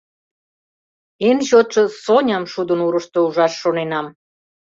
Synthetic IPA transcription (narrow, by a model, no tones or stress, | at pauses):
enɕot̪ʃɤsonʲɑmʃud̪ənuɾəʃt̪ouʒɑʃːonenɑm